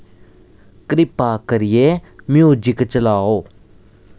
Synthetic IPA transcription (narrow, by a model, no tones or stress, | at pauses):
kɾɪpaːkəɾɪjeːmɪjoːd͡ʒɪkt͡ʃəlaːoː